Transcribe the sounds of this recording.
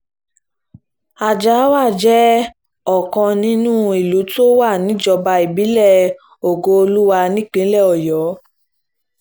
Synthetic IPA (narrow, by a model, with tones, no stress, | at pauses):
a˨d͡ʒa˨˦wa˦˨d͡ʒɛ˦ | ɔ˦˨kɔ̃˧nĩ˦nũː˦˨i˨lu˨˦to˦wa˦˨nĩ˨˦d͡ʒɔ˧ba˧i˨bi˨˦lɛ˦˨ | o˨ɡo˧o˧lu˦wa˧nĩ˦k͡pĩ˨˦lɛ˦˨ɔ˨jɔ˨˦